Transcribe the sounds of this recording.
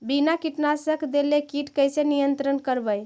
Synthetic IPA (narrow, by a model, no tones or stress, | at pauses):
binakiʈnasəkʰd̪elekiʈkəjsenijənt̪ɾənkəɾbəj